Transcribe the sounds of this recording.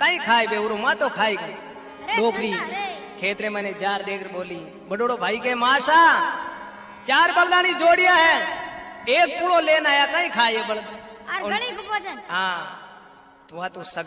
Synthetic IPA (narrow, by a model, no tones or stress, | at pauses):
kaːĩːkʰaːebeːʊːɾoːmãːt̪oːkʰaːiːkə | loːkʰɾiː | kʰeːt̪ɾẽːmɛːnẽːd͡ʒaːɾd̪eːkʰɾboːlĩː | bəɗoːɽoːbʱaːiːkeːmaːɾsaː | t͡ʃaːɾbəld̪aːnĩːd͡ʒoːɽɪjãːɦeː | eːk̚pʊɽoːleːnaːjaːkaːĩːkʰaːeːbəl | ɦãː | t̪ʊʋãːt̪oːsəɡ